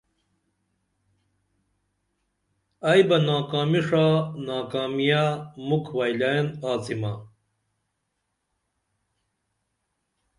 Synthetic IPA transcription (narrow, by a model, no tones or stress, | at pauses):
ajbɐnaːkaːmiʂaːnaːkaːmijamukʰwajlanaːt͡sima